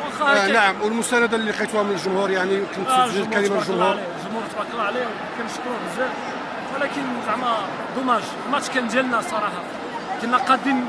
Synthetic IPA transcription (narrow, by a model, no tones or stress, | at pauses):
wxɑnaʕəmwəlmʊst̪ænəd̪alːiqɑjt̪uhæmənəlʒʊmhuɾjaʕnikʊnæʒimælimalʒʊmhuɾɾlilʒʊmhuɾˤt̪wɑqːəlʕlihw | kænʃk̪bəʒæ | əlækənzaʕmæ | d̪ˤʊmæʒd̪mæʃkænʒælnæsˤɑɾˤɑħɑ | kænːæqɑd̪əm